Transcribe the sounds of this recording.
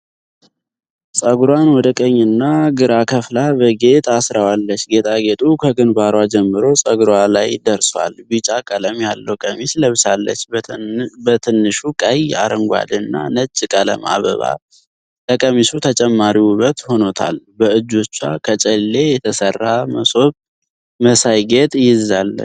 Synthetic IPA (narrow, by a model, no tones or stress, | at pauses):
sʼəɡɾwanwɔd̪əkʼəɲːɨnːaɡɨɾakʰəflabəɡe̞t̪ʰasɾawalːət͡ʃːɡe̞t̪ʰʼaɡe̞t̪ʼukʰəɡɨnbaɾwad͡ʒɛmːɨɾo̞sʼəɡɾwalajd̪əɾswa̰lbɨt͡ʃʼakʼələmjalːəwkʼəmisləβsalːə̰t͡ʃː | bət̪ʰɨnːɨʃukʼəja̰ɾɨŋɡʷa̰d̪ɨnːa̰nət͡ʃʼːkʼələ̰ma̰βə̰βa̰ | ləkʼəmisut̪ʰət͡ʃʼɛmːaɾiuβət̪ho̞no̞t̪ʰa̰lbəɨd͡ʒo̞t͡ʃːakʰət͡ʃʼɛlːe̞jɛt̪ʰəsərːaməso̞β | məsajɡet̪ʼjɪzalːə̰